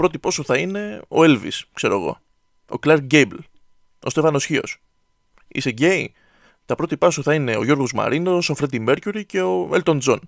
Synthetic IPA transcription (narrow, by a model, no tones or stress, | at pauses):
pɾo̞t̪ipɐsuθɐine̞o̞̰elvḭskse̞ɾo̞eɣo̞̰ | oklɐɾɟebl | o̞st̪e̞vɐno̞sçio̞̰s | ḭseɟei | t̪ɐpɾo̞t̪ipɐsuθɐine̞o̞ʝo̞ɾɣo̞zmɐ̰ɾinosofɾe̞d̪ime̞ɾcuɾice̞oelt̪o̞nd͡zon